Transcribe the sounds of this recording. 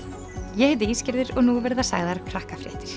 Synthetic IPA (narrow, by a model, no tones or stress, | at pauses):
jɛhɛt̪̬ɪiːscɪɾðɪɾɔɣnuvɛɾðasa̰ːɣðaɾkʰɾahkafɾɪ̰ht̪ɪɾ̥